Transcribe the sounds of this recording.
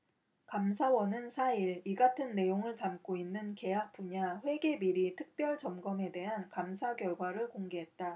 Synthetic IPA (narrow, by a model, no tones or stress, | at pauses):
kamsʰawʌnɯnsʰaiɾiɡatʰɯnːe̞joŋɯɭtamk͈oinːɯnke̞jak̚p͈uɲaɸwe̞ɡe̞biɾitʰɯk̚p͈jʌɭt͡ɕʌmɡʌme̞de̞ɦankamsʰaɡjʌɭɡwaɾɯɭkoŋɡe̞ɦe̞t̚t͈a